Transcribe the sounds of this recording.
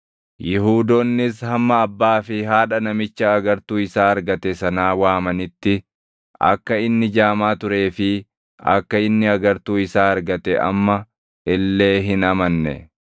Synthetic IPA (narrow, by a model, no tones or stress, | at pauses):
jɪɦuːd̪onːɪs̬hɐmːɐːbːaːfɪɦaːᶑɐnɐmɪt͡ʃːɐːɡɐɾt̪uːɪsaːɐɾɡɐt̪ɛsɐnaːwaːmɐnɪt̪ːɪ | ʔɐ̰kːɐɪnːɪd͡ʒaːmaːt̪ʊɾe̞ːfɪ | ɐ̰kːɐɪnːɪɐɡɐɾt̪uːɪsaːɐɾɡɐt̪ɛʔɐ̰mːɐ | ɪlːe̞ːɦɪnɐmɐnːɛ̰